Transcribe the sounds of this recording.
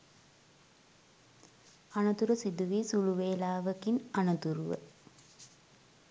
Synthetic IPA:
anɐt̪uɾəsid̪uʋiːsuluʋeːlaːʋəkinanɐt̪uɾuʋə̰

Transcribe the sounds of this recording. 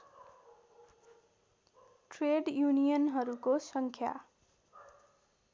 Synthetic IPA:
ʈreɖjunijʌnɦʌɾukosʌŋkʰja̰

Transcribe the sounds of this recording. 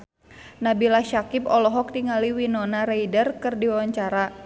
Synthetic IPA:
nabilaʃakipɔlɔɦɔk̚tiŋaliwinɔnaɾeidərkɨrdiwawaɲt͡ʃaɾa

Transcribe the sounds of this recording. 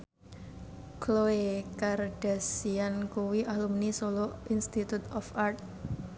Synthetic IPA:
kʰloekarɖ̥a̤siankuwiʔalumnisoloinst̪it̪ut̪ɔfart̪̚

